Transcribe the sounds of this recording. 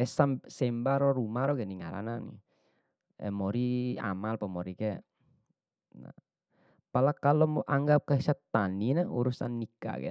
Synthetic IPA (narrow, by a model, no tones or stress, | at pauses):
ɛsamsɛmbaɾɔɾumaɾɔɡɛniŋaɾa̰nanḭ | ɛ̰mɔɾia̰malpamɔɾiɡɛ | na̰ | palakalɔmɔʔaŋɡap̚kəsat̪ːaninaṵɾusanːika̰ɡɛ̰